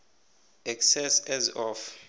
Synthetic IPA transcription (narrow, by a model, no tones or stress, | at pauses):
ɛksɛsɛzɔf